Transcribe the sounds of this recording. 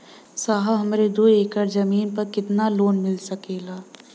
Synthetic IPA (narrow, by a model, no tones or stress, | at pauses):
saːɦaɦɐmɾed̪oːeːkəɾd͡ʒɐmiːnpɐɾkɪt̪naloːnmɪlsɐkeːlaː